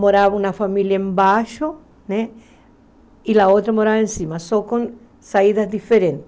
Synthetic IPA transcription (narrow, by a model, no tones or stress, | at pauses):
moɾaβaunafamiljaembaʃo | ne | ilaot̪ɾamoɾaβaensimasokon | saiðazd̪ifeɾẽnt̪